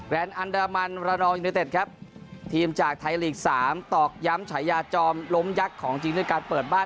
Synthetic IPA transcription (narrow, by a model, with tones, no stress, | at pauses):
kɾɛː˧nʔa˧ndaː˧ma˧nɾaː˧nɔː˧ju˧i˦˥t̪e˨˩t̪̚kʰɾa˦˥p̚t̪ʰiː˧mt͡ɕaː˨˩k̚t̪ʰa˧jliː˨˩k̚saː˩˦mt̪ɔː˨˩k̚ja˦˥mt͡ɕʰa˩˦jːaː˧t͡ɕɔː˧mlo˦˥mja˦˥kʰːɔː˩˦ŋt͡ɕi˧ŋd̪ɯː˥˩˨kaː˧npɤː˨˩t̪̚baː˥˩